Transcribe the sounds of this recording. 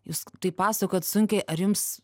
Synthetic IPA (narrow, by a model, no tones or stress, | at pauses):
juːst̪ɐɪpɑːsɐkoːt̪sʊŋʲkʲɛɪʔɐrjʊms